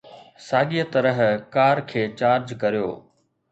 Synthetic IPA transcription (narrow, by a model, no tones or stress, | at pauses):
saːɠijət̪ɐɾəɦkaːɾkʰeːt͡ɕaːɾd͡ʑkɐɾijo̰ː